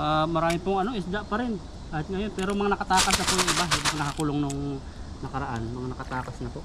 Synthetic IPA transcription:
ʔamɐɾaːmɪpʊŋɐno̞ʔɪsd̪aʔpɐɾɪn | ʔahat̪̚ŋɐjo̞npɛːɾomɐŋanɐkɐt̪aːkɐsnɐp̪onŋɪbamɐnɐkɐkuːloŋnoŋ | nɐkɐɾɐʔanmɐŋanɐkɐt̪aːkɐsnɐpoʔ

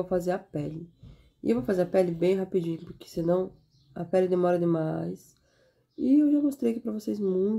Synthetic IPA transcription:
owfazeɾɐpɛlɪ | ɪḛwvowfazeɾɐpɛlɪbẽj̃ɦapid͡ʒĩɲʊpʊɾkɪ̥sɪnɐ̃w̃ | ɐ̰pɛlɪd̪emɔɾɐd̪ɪmajs | ɪewʒamost̪ɾejkɪpɾɐvosejzmũj̃

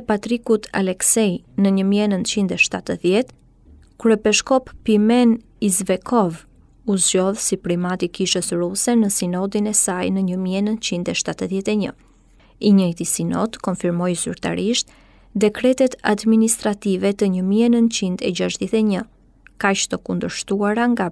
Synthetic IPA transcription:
pat̪ɾikut̪ʰa̰lɛksɛj | nəɲəmiɛnənt̪t͡ʃind̪ɛʃt̪at̪əðjɛt̪ | kuɾɛpɛʃkɔpːimɛn | izvɛkʰɔv | uzd͡ʒɔðsipɾimat̪ikiʃəsɾusɛnəsinɔd̪inɛsajnəɲəmiɛnənt̪t͡ʃind̪ɛʃt̪at̪əðjɛt̪ɛɲə | iɲəjt̪isinɔ̰d̪kɔnfiɾmɔjzy̰ɾt̪a̰ɾiʃt̪ | d̪ɛkɾɛt̪ɛt̪a̰d̪minist̪ɾat̪ivɛt̪əɲəmiɛnənt̪t͡ʃind̪ɛd͡ʒaʃðjɛt̪ɛɲə | kaʃt̪ɔkund̪əɾʃt̪uaɾaŋɡa

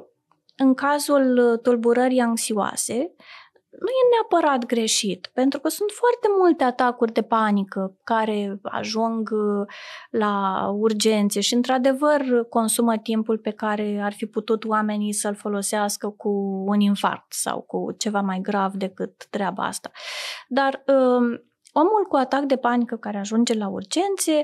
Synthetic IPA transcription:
ɨŋkazult̪ulbuɾəɾijaŋksioa̰se̞ | nuje̞neapəɾat̪ɡɾe̞ʃit̪pe̞nt̪ɾukəsunt̪foart̪e̞mult̪e̞at̪akurʲd̪e̞panikəkaɾe̞a̰ʒuŋɡ | laurd͡ʒe̞nt̪se̞ʃiɨnt̪ɾad̪e̞vərko̞nsumət̪impulpe̞kaɾe̞arfiput̪ut̪oame̞nisəlfo̞lo̞seaskəkuːninfa̰rk̚t̪sa̰wkṵt͡ʃe̞vamajɡɾavd̪e̞kɨt̪ːɾeaba̰a̰st̪ḁd̪arə | o̞mulkuat̪akd̪e̞panikəkaɾeaʒund͡ʒe̞laṵrd͡ʒe̞nt̪sie

